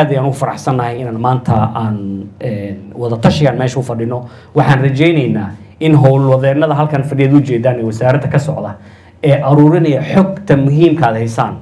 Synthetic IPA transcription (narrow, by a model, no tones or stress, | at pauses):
d̪ɛjaːnʊfɐɾɑħsɐnːɐɦɛjɪnaːnmaːnt̪ʰɐaːnɛnwɐðɐt̪ʰɐʃɪɣanmɛjʃʊfɐɖɪnɔ | wɑħɑːnrɐt͡ʃɛjnɛjnaː | ɪnɦɔwlwɐðɛːnɐðɐɦɐlkʰɐnfɐɖɪjɐːðʊt͡ʃɛːd̪aːnɛwɐsaːɾɐd̪ɐkʰɐsɔʕd̪ɐ | ɛːʔɐɾuːɾɪnɐjɐħɔɡt̪ʰɐmʊɦiːmkʰaːd̪hɛjsa̰ːn